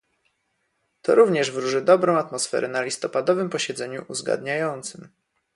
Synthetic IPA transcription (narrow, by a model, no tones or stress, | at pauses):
t̪ɔ̰ɾuvɲɛʐvɾuʐɘd̪ɔbɾɔ̃w̃at̪mɔsfɛ̰ɾʔɛnalʲist̪ɔpad̪ɔvɘmpɔɕɛd̪zɛɲṵʔuzɡa̰d̪ɲajɔnt̪sɘm